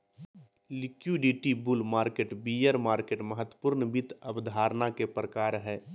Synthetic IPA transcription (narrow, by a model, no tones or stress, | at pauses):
lɪkjuɖiʈibʊlmaːɾkeːʈbiːjəɾmaːɾkeːʈməɦət̪wəpʊɾnəbɪt̪əbd̪ʱaːɾnakepɾəkaːɾɦɛː